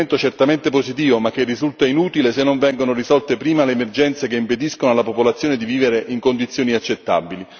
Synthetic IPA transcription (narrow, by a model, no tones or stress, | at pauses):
ent̪ot͡ʃert̪ament̪epozit̪iːvomak̟ːerːizult̪ainuːt̪ilesenːoɱvɛŋɡonorizɔlt̪epɾiːmaleːmerd͡ʒɛnt̪sekeimped̪iskonoalːapopolat̪sjoːned̪iviːveɾeʔiŋkond̪it̪sːjoːniat͡ʃːet̪ːa̰bili